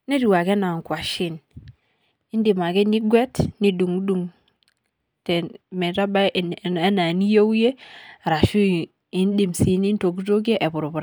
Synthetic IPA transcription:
ne˦ɾi˨wa˨ke˦na˨ŋ˨kwa˨ʃi˦n | i˦ndi˨ma˨ke˦ni˦ɡwɛ˦tni˨du˨ŋu˦du˨ŋ | tɛ˨mɛ˨ɾa˦ba˦˨e˦na˨ni˦jo˦wje˦˨ɾa˨ʃu˦ | i˦n˦di˨msi˨˦ni˦n˦to˨ɡ̬u˦to˦ɡ̬e˦ʔe˨bu˨ɾu˨bu˨ɾ

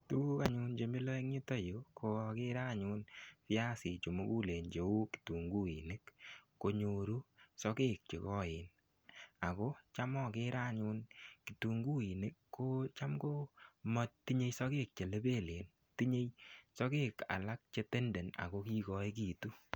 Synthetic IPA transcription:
tu˦u˦ka˨ɲʊ˧nt͡ʃe˨mi˦lɔ˦e˦ŋɲi˦tɔ˦jo˨˦kʰo˨˧kɪ˦ɾa˦˨ɲʊ˧nfɪ˦ja˦sɪ˨t͡ʃo˨mo˦ku˦le˨nd͡ʒe˨u˦ki̥tu˨ŋɡu˦i˨ne˦kː | o˨ɲo˨ɾu˦sɔ˦keː˦k̚t͡ʃḛ˨kɔ˦ɪ˨n | a˨ko˦t͡ʃa˦mɔ˦kɪ˦ɾa˦˨ɲu˧nki˨tu˨ŋɡu˦i˨ne˦kːo˦t͡ʃa˦mko˦mɔ˦t̚ti˦ɲe˦jsɔ˦ke˦k̚t͡ʃe˨le˦be˦˨le˨n | ti˦ɲe˦jsɔ˦keː˦ka̰˨la˦k̚t͡ʃe˦˧te˦nde˨na̰˨ko˦ki˦kɔ˦i˦k̬i˨tu˦

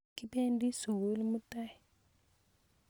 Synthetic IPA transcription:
ki˦pe˦ndi˦su˨wo˦lmu˦ta˦˨

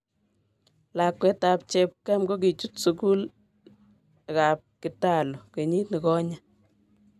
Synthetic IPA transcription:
la˨kwɛ˦ta˨p̚t͡ʃɛ˦p̚ka˦mɡo˦k̬i˨t͡ʃu˦tsuku˦l | ka˨p̚ki˨ta˦lo˨ke˨ɲi˦tni˨kɔ˦ɲa˦

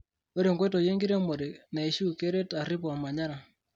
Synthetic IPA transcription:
o˦ɾe˨ŋɡwe˦to˨je˦ŋɡi˦ɾe˦mo˨ɾi˨na˨i˨ʃu˦ke˦ɾe˦ta˨ɾi˦pɔ˨ma˨ɲa˦ɾa˨

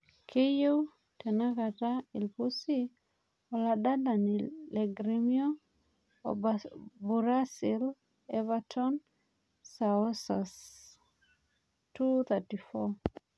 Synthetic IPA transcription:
kʰe˦jo˦w | te˨na˦ka˨ta˦i˨lpusi˦ | ɔ˨la˨da˦da˨nileɡɾimio̰ | bu˨ɾa˦sil | eva˦tʰɔn | sao˦sas | tu˦t̪ati˨fɔ

